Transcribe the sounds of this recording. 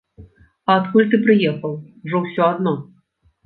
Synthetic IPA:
ɐːt̪kulʲt̪ɨpɾɨjɛxɐwʐɔwsʲɔad̪nɔ

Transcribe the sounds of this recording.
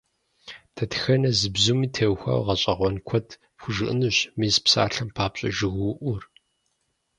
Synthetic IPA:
tʰɐtxɐnɐzɨbzumiːtʰɐwxʷa̰ːwʁɐɕʼɐʁʷɔnkʷʰɔtʰ | pxʷʊʒɨʔɨnɨɕmiːzpsa̰ːɬɐmpʰaːpɕʼɐ̰ʒɨɣʔʷʊr

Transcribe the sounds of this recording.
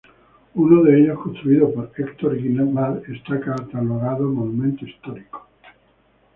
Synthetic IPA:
unoðe̞eʎoskont̪ɾuiðopoɾekt̪oɾiɣinamalest̪akaɾt̪aloɣaðomonumẽnt̪oist̪oɾiko̥

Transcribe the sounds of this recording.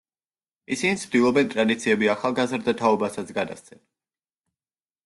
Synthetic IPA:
isinit̪sʰd̪ilˠɔbɛnt̪ʼɾad̪it̪sʰiɛbiaχalˠɡazɾd̪at̪ʰaɔbasat̪sʰɡad̪a̰st̪sʰɛn

